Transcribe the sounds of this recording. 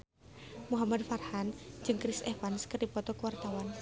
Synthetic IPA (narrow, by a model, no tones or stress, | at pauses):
muɦamad̪̚farhan̥d͡ʒɨŋkɾisʔɛfanskərdipɔt̪ɔkəwart̪awan